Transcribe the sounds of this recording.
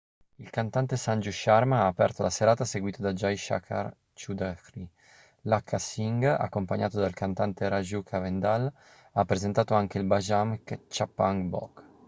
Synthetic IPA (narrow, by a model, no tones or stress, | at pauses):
ilkant̪ant̪esand͡ʒuʃaɾmaaːpɛ̰rt̪olaseɾaːt̪aseɡwiːt̪od̪ad͡ʒajʃa̰kʰa̰ɾ | t͡ʃud̪akɾi | lakʰːasiŋɡa̰kːompaɲaːt̪od̪alkant̪ant̪eɾaʒukʰavend̪al | apːɾezent̪aːt̪oaŋkeilbad͡ʒamkt͡ʃapːaŋɡbɔ̰k